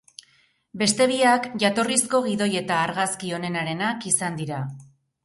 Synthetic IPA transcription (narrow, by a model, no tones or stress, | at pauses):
be̞st̪e̞β̞iakʝat̪o̞risko̞ɣ̞iðo̞je̞t̪aːɾɣaskio̞ne̞naɾe̞nakisand̪iɾa